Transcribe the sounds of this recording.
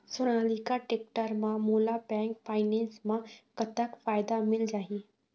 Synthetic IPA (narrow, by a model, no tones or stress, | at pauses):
sʊñaːlikaʈeːk̚ʈəɾmãmuːlapɛ̃ːŋkfʰaːɪnɛ̃ːnsmãkɐt̪əkfaːjd̪amɪld͡ʒaːieː